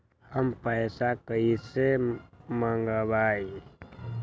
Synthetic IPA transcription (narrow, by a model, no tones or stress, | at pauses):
həmpəjsakəiseməŋɡəbaːi